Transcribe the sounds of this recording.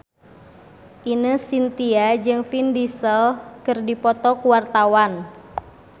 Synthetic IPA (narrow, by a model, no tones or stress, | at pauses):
ʔinəsint̪iad͡ʒɨŋfindisəlkɨrdipɔt̪ɔkuwart̪awan